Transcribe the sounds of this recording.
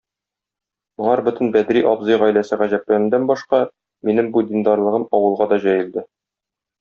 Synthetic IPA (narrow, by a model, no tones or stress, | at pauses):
mŏlˠɑɾbɵ̆t̪ɘ̆nbæd̪ɾiʔɒbzɤjʁæjlæsɘʁæʑæp̚lænɘ̆nd̪ænbɒʃqɑ | minɘmbud̪ʲind̪ɑɾlˠɤ̆ʁɤmɒwɤ̆lˠʁɑd̪ɒʑæjɘ̆ld̪ɘ